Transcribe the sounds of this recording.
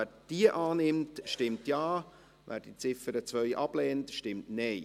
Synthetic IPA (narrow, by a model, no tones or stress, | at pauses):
æːd̥iəʔɑːnɪmtʃtɪmtjɑː | ʋʔæ̰ːɾd̥it͡sɪfəɾət͡sʋœʏʔɑb̥lɛːntʃtɪmtnɛɪ